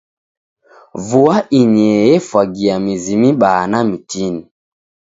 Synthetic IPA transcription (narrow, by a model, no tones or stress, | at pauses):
vuaʔiɲɛjɛfwaɡiamizimiɓanamitini